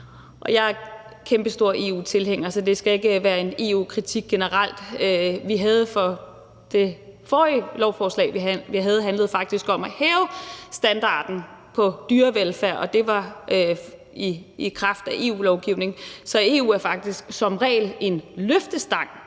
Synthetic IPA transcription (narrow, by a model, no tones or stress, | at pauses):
ʔɒ̽jɑ̈ɪæ | kʰemb̥əsd̥o̝ɐ̰ʔe̝̰ːṵːt͡sʰe̝lɦeŋ̰ɐsɒ̽d̥e̝sɡ̥æe̝ɡ̥əʋæːɐe̝ne̝̰ṵːkʰʁit͡sʰiɡ̥̚ːenəʁal̰d̥øʋiɦæð̞̩ˠfɒ̽ | d̥e̝fɒːilɒʊfɒːslɛ̰ːɪʋiʋiɦæð̞̩ˠɦænləð̞̩ˠfɑ̈ɡ̥̚d̥isɡ̥ɒ̽mæhɛːʊsd̥ænd̥ɑ̰̈ːd̥n̩pʰɒ̽d̥yːɐʋelfæɐ̰ʔɒ̽d̥e̝ʋɑ̈ | iːkʰʁɑ̈fd̥æʔe̝̰ːṵːlɒʊɡ̥iʊne̝ŋsɒ̽e̝ːṵːæɐfɑ̈ɡ̥̚d̥isɡ̥sɒ̽mʁɛ̰ːɪle̝nløfd̥əsd̥ɑ̈ŋ̰